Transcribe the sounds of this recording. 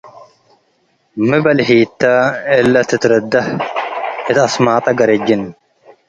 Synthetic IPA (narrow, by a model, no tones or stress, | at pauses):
mɪbɐlhiːt̪ːɐɛlːɐt̪ɪt̪ɾɐd̪ːɐh | ɪt̪ɐsmaːt̪ʼɐɡɐɾɛd͡ʒːɪn